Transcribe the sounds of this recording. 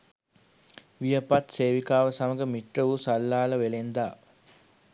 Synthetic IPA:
ʋijəpat̪seːʋikaːʋəsaməɡəmiʈrəʋusalːaːlɐʋelend̪aː

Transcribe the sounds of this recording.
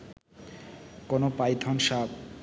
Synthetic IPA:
konopajt̪ʰɔnʃab

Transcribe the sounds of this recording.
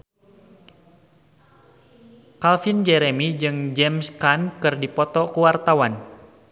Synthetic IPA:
kalfind͡ʒɛɾɛmid͡ʒɨŋd͡ʒɛmskankɨrdipɔt̪ɔkuwart̪awan

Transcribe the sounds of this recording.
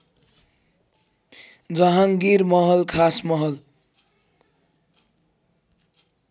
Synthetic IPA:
d͡zʌɦãŋɡiɾmʌɦʌlkʰasmʌɦʌl

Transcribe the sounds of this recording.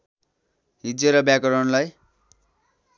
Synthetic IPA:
ɦid͡zeɾʌbjakʌɾʌnlaj

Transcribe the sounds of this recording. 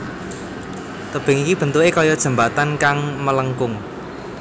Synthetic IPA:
t̪əb̥ɪ̤ŋikib̥ə̤nt̪uekɔjɔd̥ʒ̥ə̤mbat̪ankaŋmələŋkʊŋ

